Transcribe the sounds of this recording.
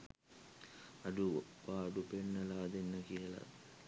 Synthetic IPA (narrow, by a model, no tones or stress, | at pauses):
ɐɖuʋaːɖupeɳːɐlaːd̪enːəkijəlɐ̰